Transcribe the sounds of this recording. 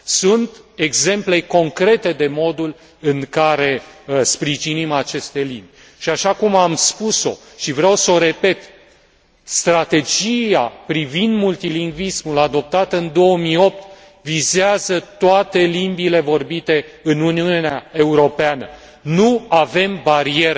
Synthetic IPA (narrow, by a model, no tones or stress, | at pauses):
sunt̪e̞ɡze̞mple̞ko̞ŋkɾe̞t̪e̞d̪e̞mo̞d̪ul | ɨŋkaɾe̞spɾiʒinimat͡ʃe̞st̪e̞limbʲ | ʃiaʃakumamspuso̞̰ | ʃivɾeawso̞ɾe̞pe̞t̪ | st̪ɾat̪e̞d͡ʒiapɾivind̪mult̪iliŋɡvismulad̪o̞p̚t̪at̪əɨnd̪o̞əmijo̞p̚t̪ | vizeazət̪oat̪e̞limbile̞vo̞rbit̪e̞ɨnuniuuneae̞uɾo̞peanə | nuave̞mbaɾie̞ɾ